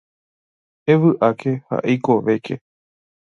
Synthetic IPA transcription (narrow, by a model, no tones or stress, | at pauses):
eʋɨʔakʰe̞ha̰ʔejko̞ʋe̞kʰe̞